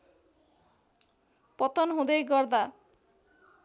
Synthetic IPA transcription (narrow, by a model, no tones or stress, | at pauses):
pɔt̪ɔnɦod̪ejɡɔɾd̪a